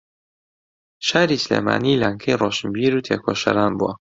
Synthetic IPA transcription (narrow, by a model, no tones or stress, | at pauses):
ʃaːɾisleːma̰ːniːlaːŋkʰɐjroːʃɨmbiːɾuːt̪ʰeːkʰoːʃɐ̰ɾaːnbuwɐ